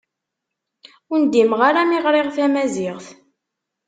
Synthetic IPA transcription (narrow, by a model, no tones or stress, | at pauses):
ʊnd̪imʁaɾamiʁɾeʁθæmæzɪʁθ